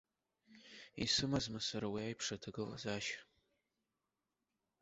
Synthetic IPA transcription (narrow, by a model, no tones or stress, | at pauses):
ḭsɨmazmasaɾawiajpʰʂatʰɨɡɨla̰zaːʃ